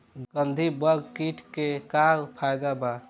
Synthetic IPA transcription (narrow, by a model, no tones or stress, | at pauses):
ɡ̥ənd̪ʱibəɡkiʈʰkekaɾpʰajd̪aba